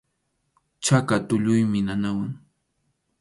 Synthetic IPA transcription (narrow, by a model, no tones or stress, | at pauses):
t͡ʃakat̪ʊʎʊjmɪnanawaŋ